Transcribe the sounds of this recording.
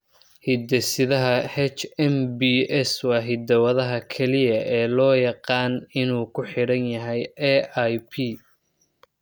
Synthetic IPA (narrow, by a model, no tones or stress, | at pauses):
hid̪ɛsɪðɐɦɐhɛt͡ʃɛmbiːɛswɑːɦɪd̪ɐwɐðɐɦɐkʰɛlɪjɐʔɛːlɔːjɑqɑːnɪnuːkʰʊħɪɽɐnjɐɦɛjɛajpʰi